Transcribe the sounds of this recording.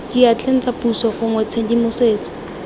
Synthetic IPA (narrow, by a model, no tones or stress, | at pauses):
kiat͡ɬʰen̩t͡sapusɔχʊŋwɛt͡sʰendimʊseːt͡sɔ̥